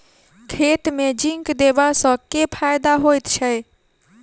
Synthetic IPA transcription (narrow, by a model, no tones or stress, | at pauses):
kʰeːt̪mẽd͡ʒiŋkd̪ebasə̃kepʰajd̪aɦojt̪t͡ʃʰɛ